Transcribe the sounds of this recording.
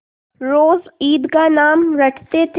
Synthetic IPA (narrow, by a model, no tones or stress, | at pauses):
ɾoːziːd̪kanaːmɾɐʈʰt̪et̪ʰ